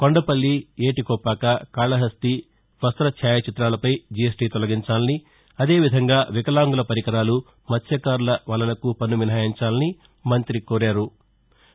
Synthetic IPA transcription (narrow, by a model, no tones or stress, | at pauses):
koɳɖɐpɐlːieːʈikɔːpaːkɐkaːɭɐɦɐst̪i | ʋɐst̪ɾɐt͡ʃʰaːjɐt͡ʃit̪ɾaːlɐpɐjd͡ʒijesʈiːt̪ɔlɐɡiɲt͡ʃaːlɐni | ɐd̪e̞ːʋid̪ʱɐŋɡaːʋikɐlaːŋɡulɐpɐɾikɐɾaːlu | mɐt̪ʰjɐkaːɾulɐʋɐːlːɐlɐkupɐnːuʋinaːjiɲt͡ʃaːlɐni | mɐnt̪ɾikɔːɾaːɾu